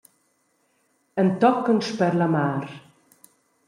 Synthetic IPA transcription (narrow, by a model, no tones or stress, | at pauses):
ənt̪ɔkənʃpɛɾlamaːɾ